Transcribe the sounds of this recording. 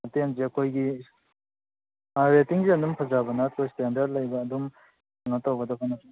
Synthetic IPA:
tenzeɐkʰojɡi | ɾetiŋziɐndumpʰɐzabɐnɐkʰojstendɐɾd̚lɐjbɐːdum | aŋnɐtawɡɐdɐpʰanɐs

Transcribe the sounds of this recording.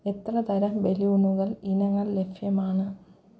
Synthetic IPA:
et̪rɐt̪ɐɾɐmʋe̞liuɳuɣɐɭinɐŋːɐɭlefjɐmaːɳɨ

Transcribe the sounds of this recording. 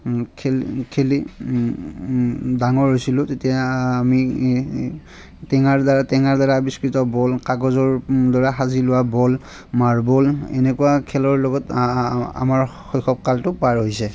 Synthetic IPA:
kʰekʰeli | daŋɔɹɦojsilʊtetijaːmi | tɛŋaɹdaɹatɛŋaɹdaɹaːbiskɹitɔbɔlkaɡɔzɔɹdɔɹaxazilʊwabɔl | maɹbɔlɛ̰nɛkʊwakʰɛlɔɹlɔɡɔt | a̰maɹxɔjxʰɔp̚kaltʊpaɹɦojsɛ

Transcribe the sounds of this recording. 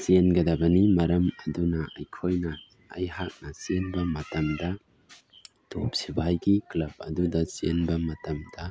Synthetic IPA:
senɡɐdɐbɐnimɐɾɐmɐdunɐʔɐjkʰojnɐ | ɐ̰jɦak̚nɐsenbɐmɐtɐmdɐ | top̚sibajɡiklɐb̚ɐ̰dudɐsenbɐmɐtɐmdɐ

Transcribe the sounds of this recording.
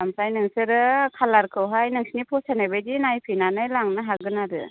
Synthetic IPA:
amsajnɯŋsɯɾɯkʰalaɾkʰɯwɦajnɯŋsnipʰɔsanajbedinajpʰinanɯjlaŋnɯɦaɡɯnaɾɯ̰

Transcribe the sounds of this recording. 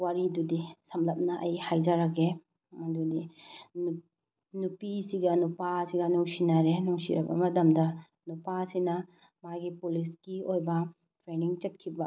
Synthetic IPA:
waɾidudisɐmlɐp̚nɐʔɐjhajd͡ʒaɾaɡe | mɐdudi | nupisiɡɐnupasiɡɐnuŋsinaɾenuŋsḭɾɐ̰bɐ̰mɐtɐmdɐ | nupasinɐ | maɡipulisɡiojbɐ | tʰɾeniŋt͡ʃɐt̚kʰibɐ

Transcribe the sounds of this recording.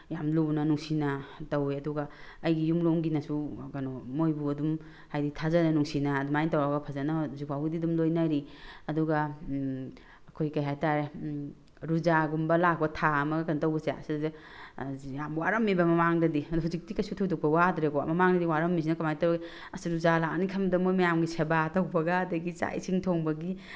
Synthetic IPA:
jamlunɐnuŋsinɐtɐweɐduɡɐɐjɡijumloŋɡinɐsuɡanomojbuɐdum | hajditʰazanɐnuŋsinɐːdumajntawaɡɐpʰazanazupʰawɡididumlojnaɾiɐduɡa | kʰojkɐjɦajtaɾe | ɾuzaɡumbɐlak̚bɐtʰaɐmɐɡɐkɐntɐwbɐsea̰sid | iamwaɾɐmːibɐmɐmaŋdɐdiɐduhuzik̚tikɐjsutʰowtɔk̚pɐwadɾeko̰mɐmaŋdɐdiwaɾɐmːis̬inɐkamajtawbi | ɐsiɾuzalanikʰɐmdɐmojmɐjamɡisebatɐwbɐɡaːdɐɡit͡ʃa̰j̰siŋtʰoŋbɐɡi

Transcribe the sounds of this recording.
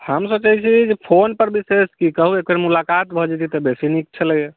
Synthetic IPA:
həmsəbt͡ʃaɦit͡ʃʰid͡ʒepʰonpəɾbiseskikəɦuekəɾmulakat̪bʱɔd͡ʒɛt̪it̪ebesinik̚t͡ʃʰələje

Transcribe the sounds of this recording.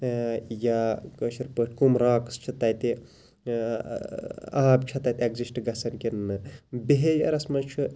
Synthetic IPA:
jakəʃiɾpəʈʰkumɾãːkst͡ʃʰit̪ɐjt̪i | aːbt͡ʃʰɐt̪ɐt̪ʲeɡzisʈɡɐsɐnkinːɨbeɦejɐ̰ɾɐsmɐt͡ʃʰɨ

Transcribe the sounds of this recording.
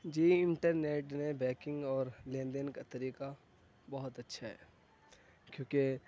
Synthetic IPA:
d͡ʒiːɪ̃ɳʈəɾneːʈnebɛːkɪ̃ŋɡɔːɾlẽːnd̪ənkat̪ɐɾiːka | bɐɦʊt̪ɐtːʃʰaɦɛ̰ː | kjõːke

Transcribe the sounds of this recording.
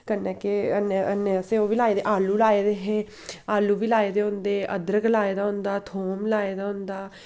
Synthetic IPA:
kənɛːkeənənːeəseːoːʋiːlaːeːd̪eʔaːluːlaːeːd̪eːɦeː | aːluːʋiːlaːeːd̪eːɦʊ̃nd̪eːʔə̰d̪əɾɡlaːeːd̪aːɦʊ̃nd̪aːt̪ʰoːmlaːeːd̪aːɦʊ̃nd̪aː

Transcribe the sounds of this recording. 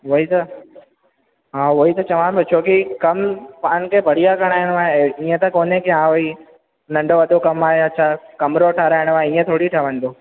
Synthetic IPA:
ʋoːit̪ɐ | ɦaːʋoːit̪ɐt͡ʃɐʋãbɐt͡ʃʰoːkikɐmpaːnkʰebʱəɽijakəɽ̃aːɪɽ̃ʋaːɦeĩːẽt̪ɐkoːnẽkiãːʋoi | nɐ̃ɳɖoʋɐɗ̪okɐmaːɦeɐtːʃʰakɐmɾoʈʰaːɾaːɦɪɽ̃ʋaːɦeĩːẽt̪ʰoːɽiʈʰaʋə̃nd̪oː

